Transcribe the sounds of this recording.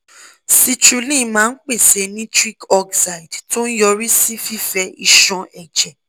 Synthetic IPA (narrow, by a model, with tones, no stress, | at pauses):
si˧t͡ʃu˧lĩ˦˨mãː˦n̩˦k͡pe˦˨se˨˧nĩ˦tɾi˦kɔ˧ɡsa˨i˨dtõ˦n̩˦jɔ˧ɾi˦si˦fi˦fɛ˧i˧ʃɔ̃˧ʔɛ˨d͡ʒɛ˨